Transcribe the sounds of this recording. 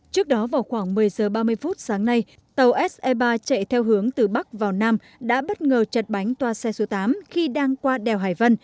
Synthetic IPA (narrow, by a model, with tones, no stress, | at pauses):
t͡ɕɨ˦˥ək̚ɗɔ˨˦vaː˨˩wxwaː˧˩ŋmɨ˨˩əjzəː˨˩ɓaː˧mɨ˧əjfu˦˥t̚saː˨˦ŋna˧j | t̪ə˨˩wʔɛ˦˥sʔɛ˧ɓaː˧t͡ɕə̰˧˨jt̪ʰɛ˧wɦɨ˨˦əŋt̪ɨ˨˩ɓa˦˥k̚vaː˨˩wnaː˧m | ɗa̰ː˧˥ɓə˦˥t̚ŋəː˨˩t͡ɕə˨˩t̚ɓa˨˦jŋ̟t̪waː˧sɛ˧so˨˦t̪aː˨˦mxi˧ɗaː˧ŋkwaː˧ɗɛ˨˩wɦaː˨˩jvə˧n